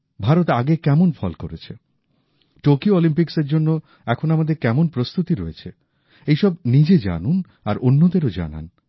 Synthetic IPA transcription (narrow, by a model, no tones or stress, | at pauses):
bʱaɾot̪aɡekɛmonfɔlkoɾet͡ɕʰe | ʈokioɔlimpikseɾd͡ʑonːo | ɛkʰonamad̪eɾkɛmonpɾost̪ut̪iɾoet͡ɕʰe | ejʃɔbnid͡ʑed͡ʑa̰nun | aɾonːod̪eɾod͡ʑa̰na̰n